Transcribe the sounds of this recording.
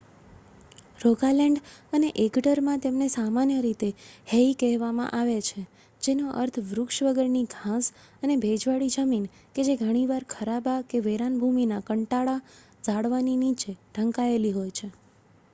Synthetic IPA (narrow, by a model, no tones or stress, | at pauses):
ɾoɡalɛɳɖəneʔeɡɖəɾmãt̪emnesamanjəɾit̪eheikɛɦʋamã̰ʔaʋet͡ʃʰe | d͡ʒenoʔə̰ɾt̪ʰʋɾʊkʃʋəɡəɾniɡʱãs | ənebʱed͡ʒʋaɽid͡ʒəmin | ked͡ʒeɡʱəɽ̃iʋaɾkʰəɾabakeʋeɾanbʱuminakəɳʈaɭa | d͡ʒaɽʋaninit͡ʃeɖʱəŋkaeliɦojt͡ʃʰe